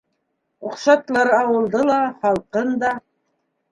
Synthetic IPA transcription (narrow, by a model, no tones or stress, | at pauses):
uqʃɑt̪lˠɑɾɑwɤ̆lˠd̪ɤlˠɑχɑlˠqɤnd̪ɑ